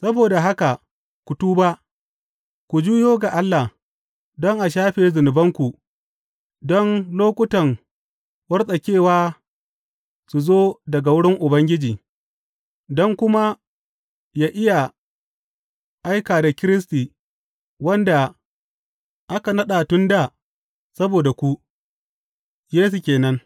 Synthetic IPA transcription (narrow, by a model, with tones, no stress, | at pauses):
sɐ˦boː˨da˨ɦa˦ka˨ | kʷʊ˨tuː˦ba˦ʔ | kʷu˨d͡ʒuː˦joː˦ɡa˨ʔa˦lːa˨h | dɔ˦ŋʔa˨ʃ̬aː˦ɸeː˨zɪ˨nɪ˨bɐ˦ŋkʷu˨ | dɔ˦nloː˦kʷʼʊ˦tɐ˨ŋ | wɐ˦rsʼɐ˨kʲeː˦˨waː˦ | su˨zoː˦dɐ˨ɡa˨wʊ˦ɽɪ˦ŋʔʊ˨bɐ˦ŋɡʲɪ˦d͡ʒiː˨ | dɔ˦ŋkʷʊ˦ma˦ | jaː˦ʔɪ˦ja˨ | ʔa˦jkaː˨da˨kʲɪ˦ɾɪ˦s̬tiː˨ | wɐ˦nda˨ | ʔa˦ka˨nɐ˦ɗa˨tʊ˦nda˨ | sɐ˦boː˨da˨kʷu˦ | jeː˦s̬u˨kʲeː˨nɐ˦ŋ